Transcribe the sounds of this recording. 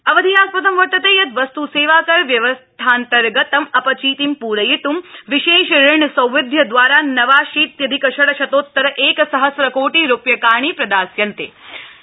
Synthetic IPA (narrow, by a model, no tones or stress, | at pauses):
ɐʋɐd̪ʱijaːspɐt̪ɐmʋɐʈ̪ːɐt̪eːjɐt̪ʋɐst̪useːʋaːkɐɾʋjɐʋɐst̪ʰaːnt̪ɐɾɡɐt̪ɐmɐpɐt͡ʃiːt̪impuːɾɐjit̪umʋiʃeːʃɾɪɳɐsɐ̃wʋɪd̪ʱjɐd̪ʋaːɾaːnɐʋaːʃiːt̪jɐd̪ʱikɐʃɐɽɐʃɐt̪oːt̪ːɐɾɐʔeːkɐsɐɦɐsɾɐkoːʈiɾupjɐkaːɳ̃ipɾɐd̪aːsjɐnt̪ḛː